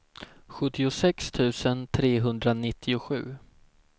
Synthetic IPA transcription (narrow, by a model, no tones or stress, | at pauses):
ɧɵt̪ːɪʊsɛkst̪ʰʉ̟ːsənt̪ʰɾeːɦɵnd̪ɾanɪt̪ʰːɪʊɧʉ̟ː